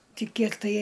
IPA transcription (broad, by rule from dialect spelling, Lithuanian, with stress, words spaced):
ˈtʲɪ ˈkʲiɛk tɐɪ